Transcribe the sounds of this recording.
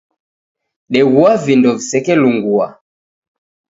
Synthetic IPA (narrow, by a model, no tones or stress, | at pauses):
ɗɛɣuavindɔvisɛkɛluŋɡua̰